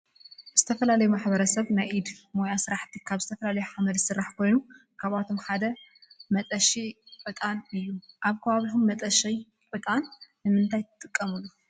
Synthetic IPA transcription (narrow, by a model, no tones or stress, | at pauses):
z̥ɨt̪ʰɐfɐlalɐjumaħbɐɾɐsɐβnajʔid̪mo̞jasɨɾaħt̪ʰikʰaβzɨt̪ʰɐfɐlalɐjuħamɐd̪sɨrːaħkʰo̞jnu | kʰaβat̪ʰo̞mħad̪ɐmɐt̪ʼɐʃifʼɨt̪ʼanɨjːuʔaβkʰɐβaβit̪omːɐt̪ʼɐʃij | pʼɨt̪ʼanː | ɨmɨnt̪ʰajt̪ʰɨt̪ʼɨkʼːɐmulːu